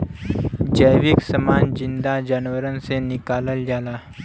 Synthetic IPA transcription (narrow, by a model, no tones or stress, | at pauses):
d͡ʒəjʋɪksəmaːnd͡ʒɪ̃nd̪ad͡ʒaːnʋəɾənsenɪkaːləld͡ʒaːlaː